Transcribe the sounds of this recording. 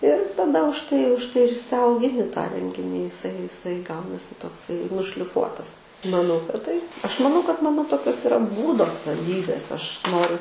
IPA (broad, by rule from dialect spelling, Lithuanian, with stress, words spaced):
ɪr tɐˈdɐ ʊʃ ˈtɐɪ ʊʃ ˈtɐɪ ɪr ɪʃʲsʲɛʊɡʲɪˈnʲɪ tɑː ˈrʲɛŋʲɡʲɪnʲiː ɪˈsɐɪ ɪˈsɐɪ ˈɡɐʊnɐsʲɪ toːkˈsɐɪ nʊʃʲlʲɪˈfuɔtɐs mɐˈnɐʊ kɐt ˈtɐɪp ˈɐʃ mɐˈnɐʊ kɐt ˈmɑːnoː ˈtoːkʲoːs ɪˈrɐ ˈbuːdoː sɐˈʋʲiːbʲeːs ˈɐʃ ˈnoːrʲʊ